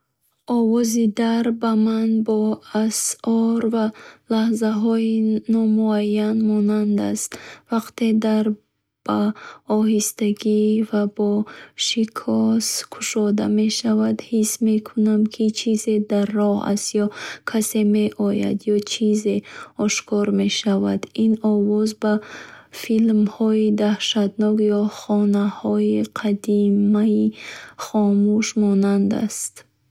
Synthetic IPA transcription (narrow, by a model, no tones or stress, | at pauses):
ʔɔvɔzid̪aɾbamanbɔasɔɾvalahzaɦɔinɔmuajːanmɔnand̪a̰st̪vaqt̪ʰe̞d̪aɾ | b̥aɔɦist̪aɡivabɔʃikʰɔskʰu̥ʃɔd̪ame̞ʃavad̪hismekʰunamkʰit͡ʃʰize̞d̪arːɔha̰st̪jɔkʰase̞me̞ʔɔja̰d̪jɔt͡ʃʰize̞ɔʃkʰɔɾme̞ʃavad̪inɔvɔzbafilmhɔid̪ahʃad̪nɔkjɔχɔnahɔiqʰad̪imaiχɔmuʃmɔnand̪a̰st̪